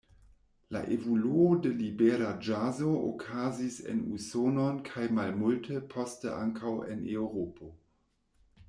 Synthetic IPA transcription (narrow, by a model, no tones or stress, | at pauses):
la̰ʔevoluode̞libeɾad͡ʒazoʔo̰kʰazisḛnusononkʰajmalmultʰepʰo̞stə̰ʔa̰ŋkʰawḛnewɾopo